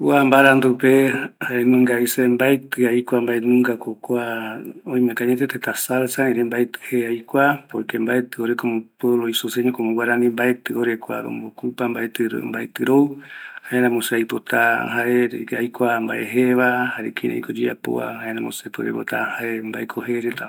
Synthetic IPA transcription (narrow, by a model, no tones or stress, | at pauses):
uambaɾand̪upehaɾemɨ̃ŋɡaisembaet̪ɨajkʷambaenũŋɡakokʷaõj̃mẽkaɲet̪et̪et̪asalsaẽɾembaet̪ɨ̥heajkʷapoekembaet̪ɨoɾekomõpweβloisoseɲõkomõwaɾanĩmbaet̪ɨoɾekʷa̰ɾo̰mbokupambaet̪ɨɾo̰mbaet̪ɨɾowhaeɾãmõseajpot̪ahaɾeɾajkʷambaʔeɦeβahaɾekʰĩɾḛjkod͡ʒiapo̰a̰haenãmõsepɨɾḛpo̰t̪ahaɾembaekʰoɦeɾet̪a